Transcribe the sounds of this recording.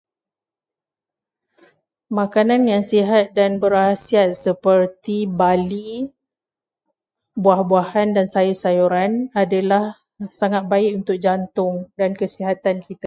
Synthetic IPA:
mãkanãnjaŋsiɦat̪̚danbəɾasiat̪̚səpərt̪ibali | buahbuahandansajusajuɾanadalah | saŋat̪̚baɪkunt̪ʊk̚d͡ʒant̪ʊŋdankəsiɦat̪ankit̪a

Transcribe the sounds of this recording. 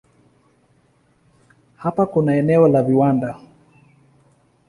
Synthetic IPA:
hapakunaɛnɛɔlaviwanda

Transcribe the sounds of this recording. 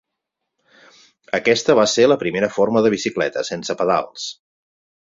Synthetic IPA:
əkɛst̪əβaseləpɾimeɾəfoɾməðəβ̞isiklɛ̰t̪əsensəpəða̰lˠs

